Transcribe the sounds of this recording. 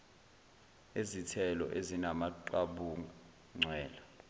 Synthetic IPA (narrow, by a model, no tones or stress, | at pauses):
ezitʰɛlɔ̰ʔezinamaǃaɓuŋ | ŋ͡ǀʱɛːla